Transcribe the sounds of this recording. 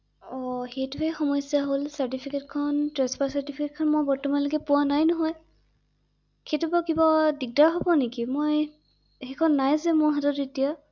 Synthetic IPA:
ɔhetʊwexɔmɔjsijaɦolsaɹtipʰiketkʰɔntɹɛspasaɹtipiketkʰɔnmojbɔɹtɔmanlokɛpʊwanajnɔɦɔj | kʰetubakibadik̚daɹɦɔbɔnekimoj | hekʰɔnːajzɛmʊɹɦatɔtetija

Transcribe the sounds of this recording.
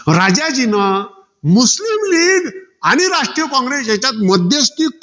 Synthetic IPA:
ɾad͡ʑad͡ʑina | muslimliːɡaɽ̃iɾaʂʈɾijəkɔ̃ŋɡɾesjat͡ɕat̪məd̪jəst̪ik

